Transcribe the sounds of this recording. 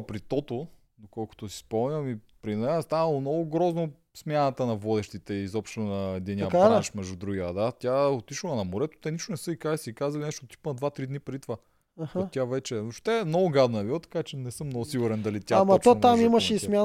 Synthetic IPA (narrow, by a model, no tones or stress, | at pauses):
pɾit̪ɔt̪o | d̪okɔlˠko̥t̪osi̥spɔmnʲəmipɾinɛəst̪anɐlˠomnɔɡʊɡɾɔzno | smʲjanɐt̪ənɐvɔd̪ɛʃt̪it̪ɛiizɔpʃt̪onɐɛd̪ɛnʲakaiʃmɛʒd̪ud̪ɾuɡʲiɐd̪at̪ʲjaot̪iʃlˠɐnɐmoɾɛt̪o̥t̪ɛniʃt̪onɛsɤikasikazɐlinɛʃt̪ot̪i̥pnɐd̪vat̪ɾid̪nipɾɛd̪it̪va | ahot̪ʲavɛt͡ʃɛoʃt̪ɛɛmnɔɡʊɡad̪nɐɛbiɐt̪ɐ̥kat͡ʃɛnɛsɤmːnɔɡʊsiɡʊɾɛnd̪ɐlit̪ʲjamɐt̪ɔmamimɐʃɛismʲja